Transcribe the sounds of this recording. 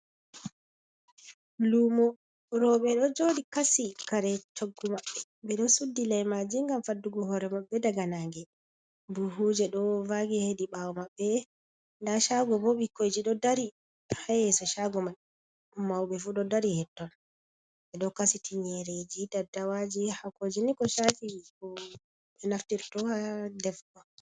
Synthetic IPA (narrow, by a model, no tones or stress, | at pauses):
lumɔ | ɾɔɓɛɗɔd͡ʒodikasikaɾɛt͡ʃoɡːumaɓːɛ | ɓɛɗɔsudːilajmad͡ʒiŋɡamfadːuɡɔhɔɾɛmaɓːɛdaɡanaŋɡɛ | buɦud͡ʒɛɗɔvaɡɛhediɓawɔmaɓːɛ | ndaʃaɡɔbɔɓikːojd͡ʒiɗɔdaɾi | hajɛsɔʃaɡɔmaɛ | mawɓɛfuɗɔdaɾihɛtːɔn | ɓɛɗɔkasitʰiɲɛɾed͡ʒidadawad͡ʒihakod͡ʒɛnikɔʃafikɔ | ɓɛnaftiɾtɔhadɛfkɔ